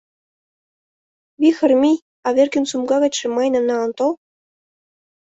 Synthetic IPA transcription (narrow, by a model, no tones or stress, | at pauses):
βʲixɘ̆rmʲi | ɑβʲerkʲɘ̆nʲsumɡɑɣɤ̆t͡ɕʂɘ̆mɑjnɤ̆nɑɑnt̪olˠ